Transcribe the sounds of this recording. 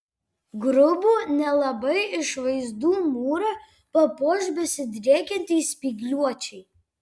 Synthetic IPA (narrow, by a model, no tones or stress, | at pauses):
ɡɾʊbuːnʲɛlˠɐbɐɪɪʃʋɐɪzd̪uːmuːɾɐ | pɐpoːʒʲbʲɛsʲɪd̪ʲɾʲeːkʲɛnʲt̪ʲɛːsʲpʲiɡlʲuɔt͡ʃʲɛɪ